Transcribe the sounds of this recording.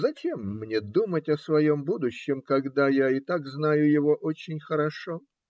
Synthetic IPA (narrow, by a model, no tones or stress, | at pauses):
zɐt͡ɕemːnʲed̪umətʲɐsvɐjo̞mbud̪ʊɕːɪmkɐɡd̪ajaɪt̪aɡznajʊjɪvo̞ʔot͡ɕɪnʲxəɾɐʂo